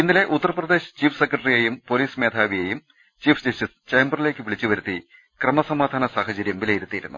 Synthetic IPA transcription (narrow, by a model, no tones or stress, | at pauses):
inːile̞ʔut̪ːɐrɐprɐd̪e̞ːɕɐ̥t͡ɕiːfʰsekːrɐʈɐrijejumpo̞liːsmeːd̪ʱaːʋijejum | t͡ɕiːfʰd͡ʑɐsʈist͡ɕejmbɐrile̞ːkːɨʋiɭit͡ɕːuʋɐɾut̪ːi | krɐmɐsɐmaːd̪ʱaːnɐsaːhɐt͡ɕɐɾjɐmʋilɐjiɾut̪ːijiɾunːṵ